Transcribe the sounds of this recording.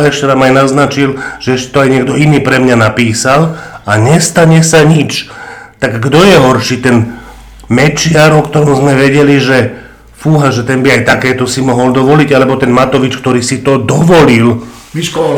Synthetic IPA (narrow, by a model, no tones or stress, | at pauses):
ɛʃcɛnaːmajnaznat͡ʃilʒ̥ɛɛʃcɛ̥t̪ɔajɲɪɛɡ̚d̪ɔiniːpɾɛmɲanapiːsalaɲɛst̪aɲɛsaɲit͡ʃ | t̪aɡːd̪ɔjɛɦɔɾʃiːt̪ɛn | mɛt͡ʃɪaɾɔkt̪ɔɾɔmzmɛʋɛɟɛliʒɛ | fuɦaʒɛt̪ɛnbiajt̪akɛːt̪ɔsimɔɦɔld̪ɔʋɔliɟalɛbɔt̪ɛnmat̪ɔʋit͡ʃkt̪ɔɾiːsit̪ɔd̪ɔʋɔlil | i